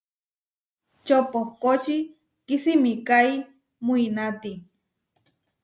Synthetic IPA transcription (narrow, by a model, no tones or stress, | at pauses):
t͡ʃopokot͡ʃi | kisimikai | muinat̪i